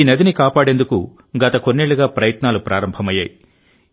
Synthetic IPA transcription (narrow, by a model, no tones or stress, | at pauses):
nɐd̪inikaːpaːɽe̞ːnd̪uku | ɡɐt̪ɐko̞nːeːɭuɡaːpɾɐjɐt̪naːlupɾʔaːɾɐmbʱɐmɐjːaːji